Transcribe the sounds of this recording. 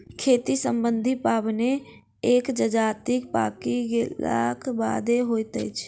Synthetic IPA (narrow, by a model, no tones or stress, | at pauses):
kʰeːt̪isəmbənd̪ʱipaːbne | ekd͡ʒəd͡ʒaːt̪ikpa̰kiɡela̰kʰba̰d̪eɦojt̪ə̰jt͡ʃʰ